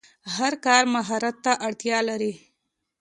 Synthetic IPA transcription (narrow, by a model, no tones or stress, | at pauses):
haɾkɑɾmaɦɑɾat̪ːaʔaɽt̪jɑlaɾi